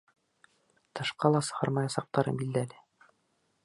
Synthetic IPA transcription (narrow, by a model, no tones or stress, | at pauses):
t̪ɤ̆ʃqɑlˠɑsɤ̆ʁɑɾmɑjɑsɑq̚t̪ɑɾɤ̰bild̪ælɘ